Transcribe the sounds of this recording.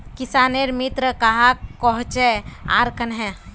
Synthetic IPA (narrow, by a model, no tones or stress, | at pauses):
kisaːneɾmit̪ɾəkaɦakɔɦt͡ʃea̰ɾkənɦɛ̃